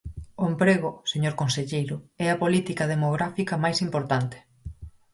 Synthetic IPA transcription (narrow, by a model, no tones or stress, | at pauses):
ʊempɾeɣoseɲoɾkonseʎejɾʊɛɐpolit̪ikɐð̞emoɣɾafikɐmajsimpoɾt̪ant̪e̥